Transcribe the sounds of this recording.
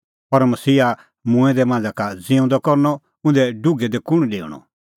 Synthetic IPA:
pɐɾmɐsiːa | mʊ̃ɛ̃d̪ɛmãːnd͡zakad͡zɪ̃ʊ̃nd̪ɔkɔɾnɔ | ʊ̃nd̪ɛɖʊɡɛd̪ɛkʊɽ̃ɖḛ̃ːɔ̰

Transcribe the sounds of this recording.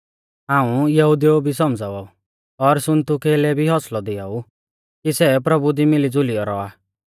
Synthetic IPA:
ɦãːũjɐɦud̪ijobʱisɔmd͡zaːʋau | ɔɾsʊnt̪ukeːlɛbʱiɦɔslɔd̪ɪau | kisɛpɾɐbud̪imɪlid͡zʊlijɔɾɔa

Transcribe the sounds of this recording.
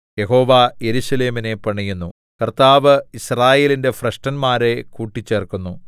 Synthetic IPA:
je̞ɦo̞ːʋajeɾuɕɐle̞ːmine̞pɐɳijunːu | kɐrt̪aːʋɨisraːje̞ːlinde̞frɐʂʈɐnmaːɾe̞kuːʈːit͡ɕːeːrkunːu

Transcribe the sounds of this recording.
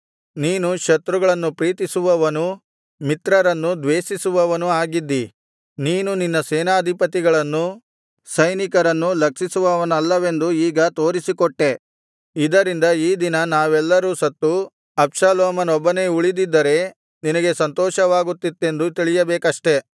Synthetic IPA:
niːnuʃɐt̪ɾuɡɐɭɐnːupɾiːt̪isuʋɐʋɐnu | mit̪ɾɐɾɐnːud̪ʋeːʃisuʋɐʋɐnuaːɡid̪ːi | niːnuninːɐseːnaːd̪ʱipɐt̪iɡɐɭɐnːu | sɐjnikɐɾɐnːulɐkʂisuʋɐʋɐnɐlːɐʋe̞nd̪uiːɡɐt̪o̞ːɾisikɔʈːe̞ | id̪ɐɾind̪ɐiːd̪inɐnaːʋɛlːɐɾuːsɐt̪ːu | ɐpʂaːlɔːmɐnɔbːɐne̞ːuɭid̪id̪ːɐɾe̞ | ninɐɡe̞sɐnt̪ɔːʃɐʋaːɡut̪ːit̪ːe̞nd̪ut̪iɭijɐbeːkɐʂʈe̞

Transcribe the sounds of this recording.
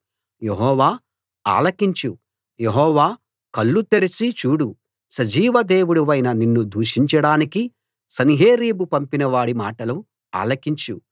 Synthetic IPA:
jeɦɔːʋaː | a̰ːlɐkiɲt͡ʃu | jeɦɔːʋaː | kɐlːut̪eɾit͡ʃit͡ʃuːɽu | sɐd͡ʒiːʋɐd̪e̞ːwuɽuʋɐjnɐninːud̪ʱuːʂiɲt͡ʃɐɽaːniki | sɐniɦeːɾiːbupɐmpinɐʋaːɽimaːʈɐlu | a̰ːlɐkiɲt͡ʃu

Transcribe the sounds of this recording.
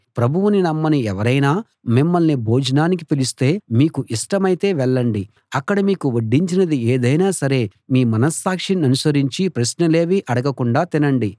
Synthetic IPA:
pɾɐbʱuʋuninɐmːɐniɛʋɐɾɐjnaː | mimːɐlnibʱoːd͡ʒɐnaːnikipilist̪e̞ːmiːkuʔiʂʈɐmɐjt̪e̞ːʋɛɭːɐɳɖi | ɐkːɐɽɐmiːkuʋoɖːiɲt͡ʃinɐd̪ieːd̪ɐjnaːsɐɾe̞ːmiːmɐnɐsːaːkʂinɐnusɐɾiɲt͡ʃipɾɐsnɐle̞ːʋiʔɐɽɐɡɐkuɳɖaːt̪inɐɳɖi

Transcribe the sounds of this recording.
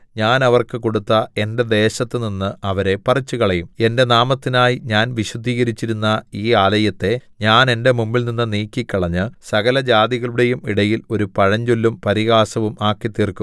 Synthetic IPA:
ɲaːnɐʋɐrkɨko̞ɽut̪ːɐe̞nde̞d̪e̞ːɕɐt̪ːɨninːɨʔɐʋɐɾe̞pɐrɐt͡ɕːukɐɭɐjume̞nde̞naːmɐt̪ːinaːjiɲaːnʋiɕwɐd̪ʱiːɣɐɾit͡ɕːiɾunːɐiːaːlɐjɐt̪ːe̞ɲaːne̞nde̞mumbilninːɨniːkʲːikʲːɐɭɐɲːɨsɐɣɐlɐd͡ʑaːd̪iɣɐɭuɽe̞jumiɽɐjilo̞ɾupɐɻɐɲd͡ʑolːumpɐɾiɣaːsɐʋumaːkːit̪ːiːrkum

